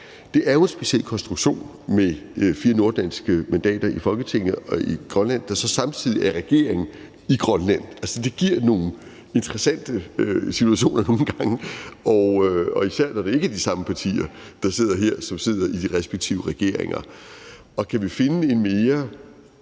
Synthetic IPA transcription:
d̥e̝ʔæɐjo̝e̝nsb̥e̝ɕiel̰kʰɒ̽nsd̥ʁuɡ̥ɕo̝̰ːn | mefiːɐno̝ɐd̥ænsɡ̥əmænd̥ɛ̰ːd̥ɐifɒ̽lɡ̥ət͡sʰeŋ̰nəɒiɡ̥ʁɒnlæn̰d̥ɑ̈sɒ̽sɑ̈mt͡sʰið̰ˠiʔæɐʁɛɡ̥e̝̰ɐ̰e̝ŋ̩ | iɡ̥ʁɶnlæn̰ælsəd̥e̝ɡ̥iɐ̰no̝ːn̩ | e̝nd̥ʁɛsæn̰d̥əøsit͡sʰuæɕo̝̰ːnɐno̝ːn̩ɡ̥ɑ̈ŋəɒʊɒ̽isæɐ̰d̥æɐɾee̝ɡ̥æd̥isɑ̈məpʰɑ̈t͡sʰḭːɐd̥ɑ̈se̝ð̞̰ˠɐɦe̝ɐ̰sɒ̽mse̝ð̞̰ˠɐʔid̥iʁɛsb̥eɡ̥̚t͡sʰiʊəʁɛɡ̥e̝ɐ̰e̝ŋɐ | ɒ̽kʰæʋife̝nəe̝nme̝ːɐ

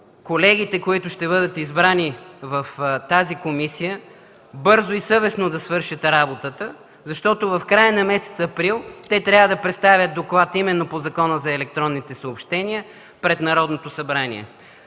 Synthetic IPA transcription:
kolɛɡ̟it̪ɛkoit̪ʊʃt̪ɛβɤd̪ət̪izbɾanivɐft̪azikomisijə | bɤɾzoisɤvɛsnod̪ɐsvɤɾʃət̪ɾabot̪ət̪ə | zɐʃt̪ɔt̪ovɐfkɾajənɐmɛsɛ̥t̪sɐpɾilˠt̪ɛt̪ɾʲavəd̪ɐpɾɛt̪st̪avʲjət̪̚d̪oklˠat̪imɛnːopozɐkɔnəzɐɛlɛk̚t̪ɾɔnːit̪ɛsəopʃt̪ɛniə | pɾɛt̪nɐɾɔd̪not̪osɐbɾanḭɛ̰

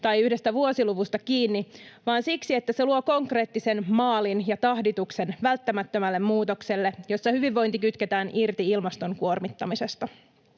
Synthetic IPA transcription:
t̪ɑjyhde̞st̪æʋuo̞siluʋust̪ɑkiːnːiʋɑːnsiksie̞t̪ːæse̞luoko̞ŋkre̞ːt̪ːise̞nmɑːlinjɑt̪ɑhdit̪ukse̞nʋælt̪ːæmæt̪ːømælːe̞mmuːt̪okse̞lːe̞jo̞sːɑhyʋiʋːo̞jnt̪ikyt̪ket̪æːnʔirt̪iilmɑst̪o̞ŋkuo̞rmit̪ːɑmise̞st̪ɑ

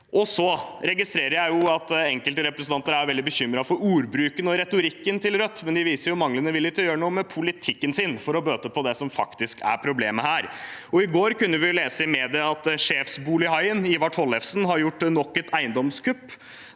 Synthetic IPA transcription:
ʔɔsɔɾɛɡɪst̪ɾeːɾəɾjæɪjʊɑt̪ɛŋkəlt̪əɾɛpɾəsn̩t̪ɑnt̪əɾæjʋɛld̪ɪbəçʏmɾɑfɔɾuːɾbɾʉːkənɔɾɛt̪ʊɾɪkːənt̪ʰɪlɾœt̪ːmɛnd̪ɪʋiːsəɾjʊmɑŋlənəʋɪlːɪt̪jøːɾəɳuːəmɛpʰʊlɪt̪ʰɪkːənsɪnfɔɾɔbøːt̪əpʰɔd̪ɛsɔmfɑkt̪ɪskæ̰ɾpʰɾʊbleːməhæːɾɔɪɡoːɾkʉnːəʋɪleːsəɪmeːd̪ɪəɑt̪ʂeːfsbuːlɪhɑɪəniːʋɑʈʰɔlːɛfsnɦɑɾjʊʈːnɔkːət̪æɪənd̪ɔmskʰʉpː

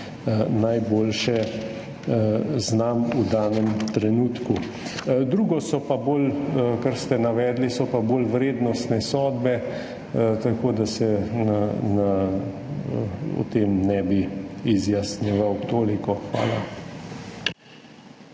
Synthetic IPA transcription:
najboːlʃɛ | znamud̪aːnɛmt̪ɾɛnuːt̪ku | d̪ɾuːɡɔsɔpaboːlkaɾst̪ɛnaʋɛːd̪lisɔpaboːlʋɾeːd̪nɔst̪nɛsɔːd̪bɛ | t̪akoːd̪asɛnana | ɔ̰t̪eːmnɛbiizjasniʋawt̪oːlikɔxʋa̰ːla

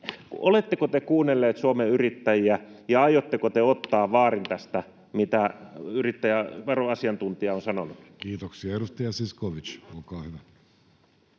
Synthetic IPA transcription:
kʔolet̪ːekot̪ekuːnːelːeːt̪suomeyrit̪ːæjiæjɑɑjot̪ːekot̪eot̪ːɑːʋɑːrint̪æst̪æ | mit̪æyrit̪ːæjæʋɑroɑsiɑnt̪unt̪iɑonsɑnonukkiːt̪oksiɑeɾust̪ijɑsiskoʋit͡ʃookɑːhyʋæ

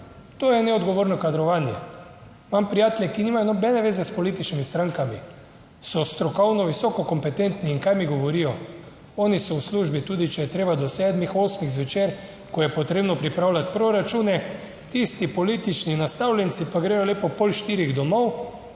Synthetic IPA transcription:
t̪oːjɛnɛɔd̪ɡoʋoːɾnɔkad̪ɾɔʋaːnjɛ | mampɾijaːt̪ljɛkiniːmajɔnɔbɛnɛʋeːzɛspɔliːt̪it͡ʃnimist̪ɾaŋkami | sɔst̪ɾɔkɔwnɔʋisɔːkɔkɔmpɛt̪ent̪niːŋkajmiɡɔʋɔɾiːjɔ | ɔːnisɔwsluʒbit̪uːd̪it͡ʃɛjɛt̪ɾeːbad̪ɔsɛd̪mixoːsmiɣzʋɛt͡ʃeːɾ | kɔjɛpɔt̪ɾeːbnɔpɾipɾaːwlʲat̪̚pɾoɾat͡ʃuːnɛ | t̪ist̪ipɔliːt̪it͡ʃninast̪awlʲjɛnt̪sipaɡɾɛːjɔleːpɔpolʃt̪iːɾiɣd̪ɔmɔw

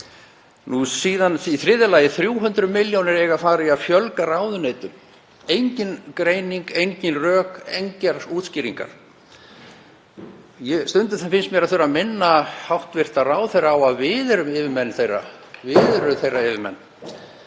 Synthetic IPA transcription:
nusiːðaniθɾɪðɪlaːjɪθɾjuːɦʏnt̪ɾʏmɪljownɪɾɛːɣafaːɾɪafjœlkaɾaːwðʏnejt̪ʏm | ejɲcɪnkɾeːjniŋkejɲcɪnrœːkejɲcɛɾ̥uːt̪sciːɾiŋka̰ɾ̥ | jɛst̪ʏnt̪̬ʏɾθɛmfɪnst̪mjɛɾaðθʏɾaðmɪnːahawht̪vɪr̥t̪araːwθejrːaaːwaðvɪːðɪɾʏmɪːvɪɾmɛnːθejrːa̰ | vɪðɾʏθejrːaɪvɪɾmɛ̰nː

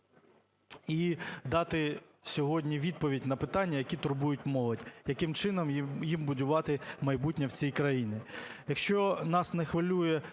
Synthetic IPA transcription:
id̪ɑt̪ɪ | sʲɔɦɔdʲnʲiʋʲid̪̚pɔʋʲidʲnɐpɪt̪ɑnʲːɐjɐkʲit̪ʊrbujʊtʲmɔlˠɔdʲjɐkɪmt͡ʃɪnɔmjimbʊdʲʊʋɑt̪ɪmɐjbutʲnʲɐwt͡sʲijkɾɐjinʲɪjɐkʃt͡ʃɔnɑsnɛxʋɐlʲujɛ

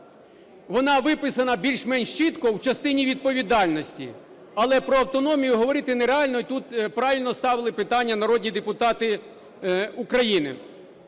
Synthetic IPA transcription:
ʋɔnɑʋɪpɪsɐnɐbʲilʲʃmɛnʲʃt͡ʃɪt̪kɔwt͡ʃɐst̪ɪnʲiʋʲid̪̚pɔʋʲid̪ɑlʲnɔsʲtʲḭ | ɐlˠɛpɾɔɐwt̪ɔnɔmʲijʊɦɔʋɔɾɪt̪ɪneɾeɑlʲnɔit̪ut̪pɾɑʋʲilʲnɔst̪ɑʋɪlˠɪpɪt̪ɑnʲːɐnɐɾɔdʲnʲid̪epʊt̪ɑt̪ɪ | ukɾɐjinɪ̰

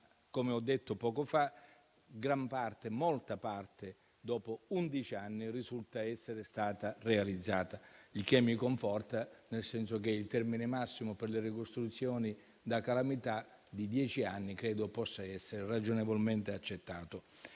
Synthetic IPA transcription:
komeɔd̪ːet̪ːopɔːkofa | ɡɾampart̪emɔlt̪apart̪e | d̪ɔːpound̪it͡ʃianːirizult̪aɛsːeɾest̪aːt̪arealid̪zːaːt̪alik̟emːikoɱfɔrt̪anelsɛnsok̟eilt̪ɛrminɪmasːimʊperlerikost̪ɾut̪sːjɔːni | d̪akalamit̪a | d̪id̪jɛːt͡ʃianːikɾɛːd̪opɔsːaɛsːeɾerad͡ʒonevolment̪eat͡ʃːet̪ːaːt̪o

